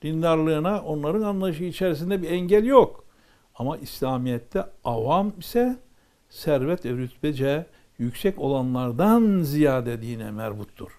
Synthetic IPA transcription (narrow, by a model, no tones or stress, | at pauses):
d̪̥ind̪aɾlˠɯːnaʔo̞nlˠaɾɯnanlˠaɯʃɯit͡ʃʰɛɾis̬ind̪ɛbiɛɲɟælʲjok | amaʔislʲaːmijɛt̪ʰːɛavamisɛ | sæɾvɛt̪ɛɾyt̪bɛd͡ʒɛ | jycsɛco̞lˠanlˠaɾd̪anzijaːd̪ed̪iːnɛ̰mɛ̰ɾbut̪ʰːṵɾ̥